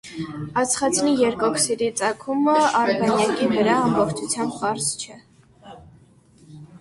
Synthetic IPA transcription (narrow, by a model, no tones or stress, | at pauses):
ɑt͡sʰχɑt͡sʰnijɛɾkɔkʰsɛɾit͡sɑkʰuməɑɾɡɑnjɑkivəɾɑɑmbɔχt͡ʃʰut͡sʰjɑmbhɑɾst͡ʃʰɛ